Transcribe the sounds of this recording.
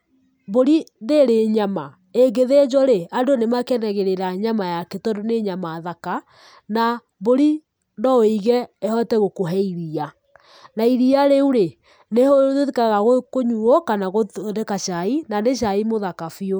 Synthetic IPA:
boɾindeɾeɲama | eɡeðed͡ʒɔɾeadonemakɛnaɣeɾeɾaɲamajakɛtɔndoneɲamaðaka | na | βoɾi | nɔoiɣɛehɔtɛɣokoɦɛiɾia | naiɾiaɾeuɾe | nehoeðikaɣaɣokoɲuɔkanaɣodɛkaʃainaneʃ̬aimoðakafio

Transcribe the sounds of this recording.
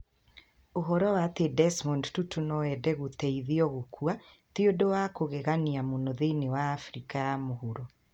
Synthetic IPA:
oɦɔɾɔwatedɛsmɔndtutunɔɛdɛɣotɛiðiɔɣokua | tiodowakoɣɛɣaniamonɔðenewaːfɾikajamohuɾɔ

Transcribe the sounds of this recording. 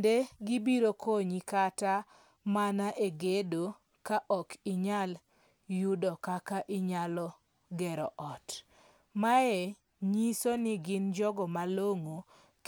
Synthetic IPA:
ndeɡibiɾokoɲikata | manaʔeɡedo | kaʔɔkɪɲal | judɔkakaʔɪɲalɔ | ɡɛɾɔʔɔt | maɛ | ɲisonɪɡɪnd͡ʒɔɡɔmaloŋo | k

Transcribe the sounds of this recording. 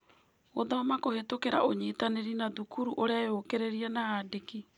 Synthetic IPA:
oðɔmakohetokeɾa̰ʔoɲeːtaneɾinaðukuɾuʔoɾeajokeɾeɾiɛnaadeki

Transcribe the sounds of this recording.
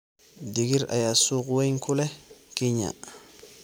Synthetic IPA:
diɡiɾa̰jasukwejŋkulekiɲa̰

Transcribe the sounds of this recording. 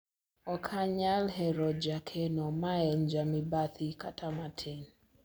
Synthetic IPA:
ɔkʰaɲalɦɛɾɔd͡ʒakʰɛnɔmaɛnd͡ʒamibaθʰikatʰamatʰɛn

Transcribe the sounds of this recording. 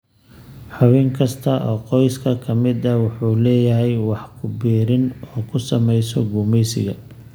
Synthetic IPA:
ħʊβɪŋkʰɐst̪ʰɐʔɔːqɔjskʰɐkʰɐmɪd̪ɐwʊħuːlɛːjɐɦɛjwɑħkʰʊbiːɾɪnɔːkʰʊsɐmɛjsɔɡuːmɛjsɪ̰ɣɐ̰

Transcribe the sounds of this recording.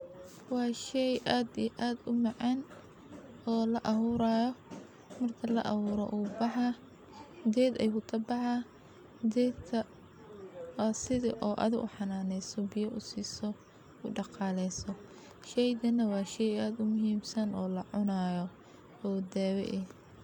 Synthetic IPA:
wɑːʃɛjʔaːd̪iʔaːd̪ʊmɑʕɑn | ɔːlɐʔɐhuɾaːjɔ | mɐrk̪ʰɐlɐ̰ʔɐβʊːɾɔ̰ʔuːbɑħɑ | d̪ɛːd̪ɐjʊkʰɐbɑħɑ | d̪ɛːtʰɐ | sɪðɪ̰ʔɔːʔɐ̰ðɪɡʊ̰ħɑnaːnɛjsɔbɪjɐʔʊsiːsɔ | ʊɖɑqɑːlɛsɔ | ʃɛjd̪ɐnɐwɑːʃɛjaːd̪ʊmʊɦiːmsɐnɔːlɐʕʊnaːjɔ | ɔːd̪ɛːwɛ̰ʔɛ

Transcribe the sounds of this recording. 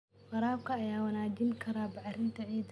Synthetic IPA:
qɑɾaːbkʰɐːjaːwɐnaːd͡ʒɪŋkʰɐɾaːbɑʕrɪnt̪ʰɐʕiːd̪

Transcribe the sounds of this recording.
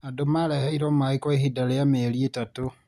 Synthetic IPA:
adomaleheiɾomaikoehidalejameːlietatu

